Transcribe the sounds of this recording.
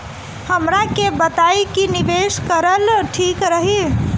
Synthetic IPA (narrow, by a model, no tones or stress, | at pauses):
həmɾakebət̪ajkinibeskəɾəlʈʰikɾəɦi